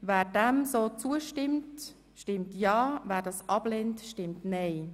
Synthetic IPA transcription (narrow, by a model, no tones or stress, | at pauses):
vɛːɾdɛmsoːt͡suəʃtɪmt | ʃtɪmtjɑːvæːɾdɑːsʔɑblɛntʃtɪmtneɪ